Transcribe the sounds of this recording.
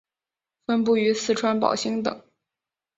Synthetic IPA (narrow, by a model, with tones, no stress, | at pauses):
fə˥npu˥˩y˧˥sɹ̩˥˩ʈ͡ʂʰwa˥npɑ̰˨˩ʊɕi˥ŋt̪ɤ̰˨˩˦